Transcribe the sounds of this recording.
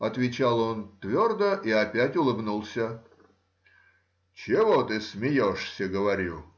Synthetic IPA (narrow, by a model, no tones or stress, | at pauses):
ɐt̪vʲɪt͡ɕalˠo̞nt̪vʲord̪əʔiɐpʲætʲʊlˠɨbnulˠsʲə | t͡ɕɪvot̪ɨsmʲɪjoʂsʲəɡəvɐɾʲṵ